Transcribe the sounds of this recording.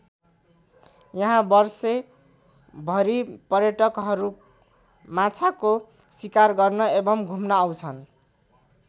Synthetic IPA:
jʌɦãbʌrse | bʱʌɾipʌrjʌʈʌkɦʌɾu | mat͡sʰako | sikarɡʌrnʌebʌmɡʱumnʌːwt͡sʰʌn

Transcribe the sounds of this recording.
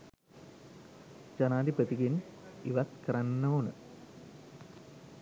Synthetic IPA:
t͡ɕɐnaːd̪ipɐt̪iɡiniʋɐt̪kɾɐnːoːnɨ̰

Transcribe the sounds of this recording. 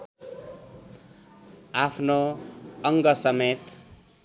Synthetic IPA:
apʰnoʌŋɡʌsʌmet̪

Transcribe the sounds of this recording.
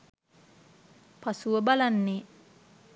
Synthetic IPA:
pasuəbalanːe

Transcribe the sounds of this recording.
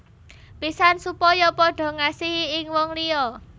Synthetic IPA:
pisansupɔjɔpɔɖ̥ɔ̤ŋasiɦiɪŋwɔŋliɔ

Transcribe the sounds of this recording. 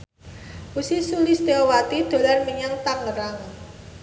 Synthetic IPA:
usisulist̪eɔwat̪id̪̥o̤larmiɲaŋt̪aŋəɾaŋ

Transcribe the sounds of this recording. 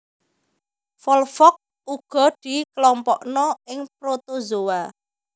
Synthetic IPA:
fɔlfɔk̚ | uɡ̥ɔ̤d̪̥i̤klɔmpɔʔnɔɪŋp̚ɾot̪ozowa

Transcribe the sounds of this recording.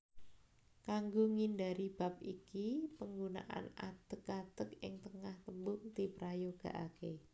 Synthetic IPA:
kaŋɡoŋindaɾib̥a̤p̚ikipəŋɡuna̰ʔa̰na̰d̪̥əkad̪̥ək̚ɪ̰ŋt̪əŋaht̪əmbʊŋt̪ipɾajoɡ̥a̤̰ʔake

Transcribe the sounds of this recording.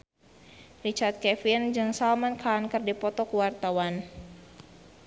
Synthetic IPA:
rit͡ʃart̪̚kɛfind͡ʒɨŋsalmankʰankɨrdipɔt̪ɔkuwart̪awan

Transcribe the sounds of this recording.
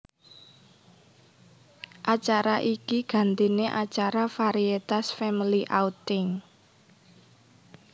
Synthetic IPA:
ʔat͡ʃaɾaʔikiɡ̥a̤nt̪ineʔat͡ʃaɾafaɾiet̪asfɛmiliʔaut̪ɪŋ

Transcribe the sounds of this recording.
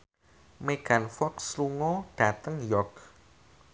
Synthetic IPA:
meɡ̥a̤nfɔksluŋɔɖ̥a̤t̪əŋjɔk

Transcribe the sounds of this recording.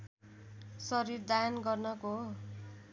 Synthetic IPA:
sʌɾiɾd̪ajʌnɡʌrnʌko

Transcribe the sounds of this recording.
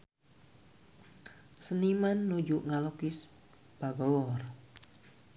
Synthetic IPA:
sənimanːud͡ʒuʔŋalokis | b̥aɡɔwɔr

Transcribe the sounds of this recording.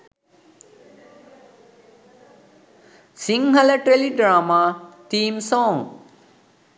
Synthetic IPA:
siŋɦɐləʈɾeliɖɾaːmat̪iːmsɔːŋ

